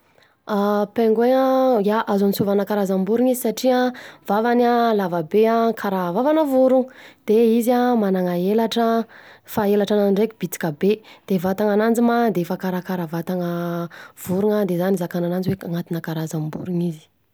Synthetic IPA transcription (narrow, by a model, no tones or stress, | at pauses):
apeŋɡweajaʔazanisuvanakaɾazambuɾuŋizisaʈ͡ʂiav̥avanalavabeakʰaɾavavanəvuɾuŋd̪̥eizamanaŋaelaʈ͡ʂəfaelaʈ͡ʂanaɳɖ͡ʐekʲib̥it͡s̪i̥kabed̪̥evat̪aŋanand͡ʒimad̪efakaɾakaɾavat̪aŋəv̥uɾuŋad̪ezanizakananand͡ziweaŋat̪inakaɾazambṵɾuŋizi̥